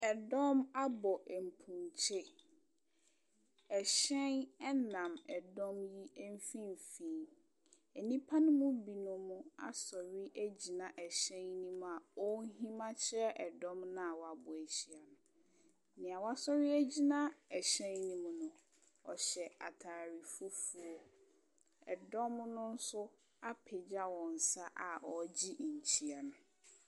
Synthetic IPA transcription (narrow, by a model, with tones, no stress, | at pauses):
ɛ˨dɔ̃˦ma˦bɔ˨ʔɛ˨m̩˨pʰũ˨nt͡ɕʰɪ˦ | ɛ˨ɕɛ̃˦nɛ˦nã˨mɛ˨dɔ̃˦mji˦ɛ˦m˦fĩ˦m˨fĩ˨˦ | ɛ˨nĩ˦pʰa˦nʊ̃˦mʊ̃˦bi˨nʊ̃˦mʊ̃˦a̰˨sɔ˨ɾɪ˦ʔæ˦d͡ʑi˨nã˨ʔɛ˨ɕɛ̃˦nnĩ˦m˦a˨ɔ˦ɦĩ˦mã˦t͡ɕʰɛ˦ʔɛ˨dɔ̃˦mnã˦a˨wɔ˨a˨bʊ˨æ˨ɕi˨a˨nʊ̃˨ | nɪ̃˨a˨wa˦sɔ˦ɾɪ˦æ˦d͡ʑi˦nã˦ɛ˨ɕɛ̃˦nnĩ˨mʊ̃˨nʊ̃˨ | ɔ̰˨ɕɛ˨a̰˨tʰaː˨ɾi˨fu˦fu˨o˦ | ɛ˨dɔ̃˦mnʊ̃˦n̩˦sʊ˦ | a˦pʰe˨d͡ʑa˦wɔ̃˨n̩˨sa˦ʔa˨ɔ˨d͡ʑi˦ʔɲ̩˨t͡ɕʰi˦a˨nʊ̃˨